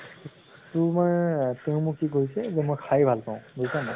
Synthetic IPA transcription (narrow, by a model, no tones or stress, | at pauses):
tumaɹteʊ̃mukikoɹisɛzɛmojkʰajbʱalpaʊ̃bozisana